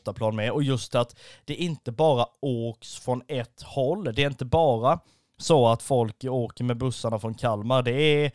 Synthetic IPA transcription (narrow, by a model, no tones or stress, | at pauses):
t̪apʰlɑːnmɛɔjɵst̪at̪d̪̥ɛʔɪnt̪əbɑːɾaoːksfɾɔnɛt̪ːhɔlːd̪ɛːɾɪnt̪əbɑːɾa | sɔat̪fɔlkoːkəɾmɛbɵsːaɳafɾɔnkʰalmaɾd̪ɛæ